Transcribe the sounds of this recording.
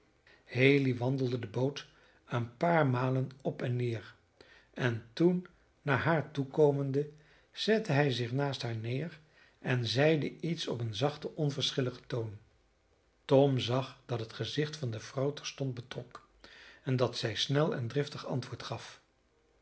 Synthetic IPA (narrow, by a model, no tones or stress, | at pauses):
hejliʋɑndəlˠdədəbowt | ənpaːɹmaːlənɔpɛnːɪːɹ | ɛntunː | aːɹɦaːɹtukowməndə | z̥ɛtəɦɛjzɪχnaːstɦaːɹnɪːr | ʔɛnzɛjdəitsɔpənzɑχtəʔɔnvəɹsχɪləχə̥town | tɔmzɑχd̥ɑtɦətχəzɪχtfɑndəv̥rɑwtɛɹstɔnd̚bətrɔk | ɛndɑtsɛjsnɛlˠɛ̰ndrɪftəχɑ̰ntʋʊːɹtχɑf